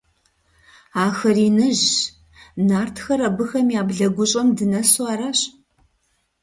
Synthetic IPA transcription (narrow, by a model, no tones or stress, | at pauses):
aːxɐriːnɨʑ | naːrtʰxɐɾɐbɨxɐmjaːbɮɐɡʷʊɕʼɐmdɨnɐswaːɾɐɕ